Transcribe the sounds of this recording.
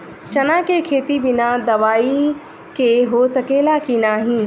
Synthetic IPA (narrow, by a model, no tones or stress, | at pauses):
t͡ʃɐnãkekʰeːt̪ibɪnad̪ɐʋaːi | keɦosɐkeːlakinaːɦĩː